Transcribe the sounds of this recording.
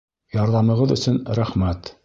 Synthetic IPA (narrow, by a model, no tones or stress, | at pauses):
jɑɾðɑmɤ̆ʁɤðɵ̆sɵnɾæχmæt̪